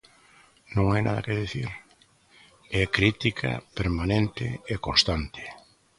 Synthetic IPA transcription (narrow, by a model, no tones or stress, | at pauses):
nõŋajnʔa̰ða̰kɪðiθiɾ | ɛkɾit̪ikʰa̰peɾmanẽnt̪ɪːkõst̪ant̪ɪ̥